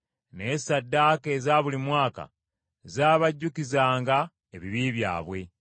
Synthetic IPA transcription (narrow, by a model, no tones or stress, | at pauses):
nesadːaːke̞ːzaːβulimwaːka̰ | zaːβaɟːukizaːŋɡa | eβiβiːβja̰ːβwe̞